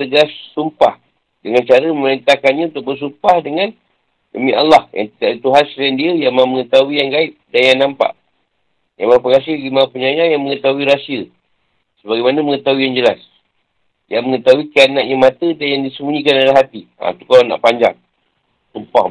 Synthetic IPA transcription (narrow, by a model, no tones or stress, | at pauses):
t̪əɡasːumpah | dəŋant͡ʃaɾəməməɾint̪akanɲaunt̪ʊk̚bərs̬umpahdəŋãn | dəmĩalːahja̰ŋt̪iaʔit̪uɦanslandiəjamãməŋət̪auijaŋɡait̚danjaŋnampa̰ʔ | jamapəŋas̬iəɡimapəɲajajaŋməŋət̪auiɾasiə | səbaɡajmanaməŋət̪aɦuijaŋd͡ʒəlas | jaŋməŋət̪auikanaʔɲamat̪ədanjaŋdisəmuɲikanalaɦat̪ia̰t̪ukalana̰ʔpaɲd͡ʒa̰ŋ | sumpa